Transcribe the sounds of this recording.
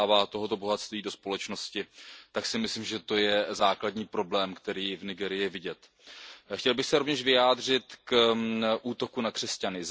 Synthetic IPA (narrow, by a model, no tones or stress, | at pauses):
vaːt̪o̞ɦo̞t̪o̞bo̞ɦat̪st̪viːdo̞spo̞lɛt͡ʃno̞scɪt̪aksɪmɪslɪmʒɛt̪o̞jɛzaːkladɲiːpɾo̞blɛːmkt̪ɛɾiːvnɪɡɛːɾɪjɪvɪɟɛt̪ | xcɛlbɪxsɛɾo̞vɲɛʃvɪjaːdr̝ɪt̪kʔuːt̪o̞kunakr̝̥ɛscanɪz